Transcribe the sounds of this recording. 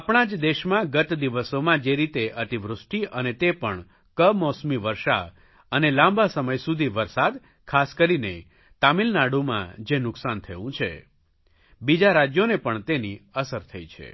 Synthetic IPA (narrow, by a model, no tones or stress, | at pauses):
apɳ̃ãd͡ʒd̪eʃmãɡət̪d̪iʋəsomãd͡ʒeɾit̪eʔət̪iʋɾʊsʈiənet̪epəɳ | kəmɔsmiʋəɾʃa̰ | ənelãmbasəməjsud̪ʱiʋəɾsad̪ | kʰaskəɾine | t̪amilnaɽumã̰d͡ʒenʊksant̪ʰəʋũt͡ʃʰḛ | bid͡ʒaɾad͡ʒjonepəɳt̪eniəsəɾt̪ʰəit͡ʃʰḛ